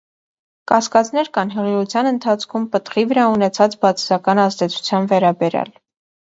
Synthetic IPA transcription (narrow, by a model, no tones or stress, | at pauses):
kɑskɑt͡snɛɾkɑnɦəʁiʁut͡sʰjɑnənt̪ʰɑt͡sʰkʰumpət̪χivəɾɑunɛt͡sʰɑt͡sbɑt͡sʰsɑkɑnɑzd̪ɛt͡sʰu̥t͡sʰjɑnvɛɾɑbɛɾjɑ̰l